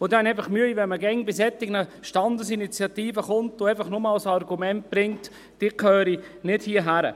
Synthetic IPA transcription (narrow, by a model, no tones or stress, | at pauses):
odɛnɛɪfɑχmyəiʋɛnməɡɛŋbɪsɛtɪɡnəʃtɑndəsinit͡sjɑt̪iːfəχʊntoɛɪfɐχnomɑlsɑɾɡumɛnt̚b̥ɾɪŋt | d̥iːkʰœːɾi | nɪdhiːəɦæɾə̰